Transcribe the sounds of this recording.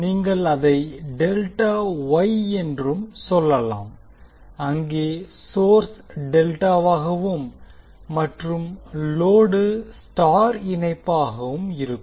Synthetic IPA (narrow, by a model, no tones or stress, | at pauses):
niːŋɡɐɭɐðɐɪɖɛlʈaːʋɐjɛndrɯmsɔlːɐla̰ːm | ɐŋɡeːsoːɾsɖɛlʈaːʋaːɣɐʋɯmː | ɐʈrɯmloːɽɯsʈaːɾɪnɐɪpːaːɣɐʋɯmɪɾɯkː